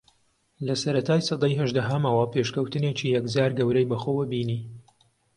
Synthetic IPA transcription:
lɐsɐɾɐt̪ʰaːjsɑd̪ɑjɦɐʒd̪ɐɦɐmɐwɐpʰeʃkɐwt̪ɨnet͡ʃiːjɐkd͡zaːɾɡɐwɾɛjbɐxoːwɐbiːniː

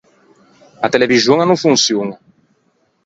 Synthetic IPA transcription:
at̪elevizjõŋɐnɐ̃w̃fũŋsjonɐ

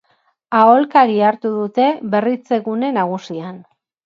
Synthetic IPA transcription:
ao̞lkaɾiaɾt̪uðut̪e̞βe̞rit͡se̞ɣune̞naɣ̞usian

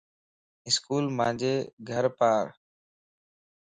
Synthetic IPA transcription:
ɪskuːlmãːnd͡ʑeːɡʱəɾpaːɾ

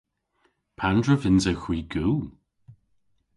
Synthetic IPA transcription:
pʰandɹəvɪnzəwxw̥iːɡu

